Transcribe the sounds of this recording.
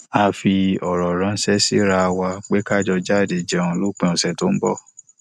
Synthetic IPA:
a˧fi˧ɔ˨ɾɔ˨ɾã˨˧n̩˦sɛ˦si˦ɾa˧wa˧k͡pe˦ka˦˨d͡ʒɔ˧d͡ʒa˦˨de˨d͡ʒɛ˨˦˨ũ˧˦lo˦k͡pẽ˧˦ɔ˨sɛ˨to˦n̩˦bɔ̰˦˨

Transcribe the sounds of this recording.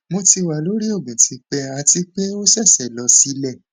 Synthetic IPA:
mo˧ti˧wa˨lo˨˦ɾi˦o˦˨ɡũ˨tʰi˨˧k͡pɛ˧˦a˧ti˧k͡pe˦o˦sɛ˦˨sɛ˦˨lɔ˨˧si˧˦lɛ˦˨

